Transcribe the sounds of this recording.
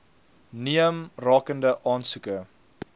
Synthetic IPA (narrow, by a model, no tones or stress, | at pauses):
niəmrɑːkəndəʔɑːnsukə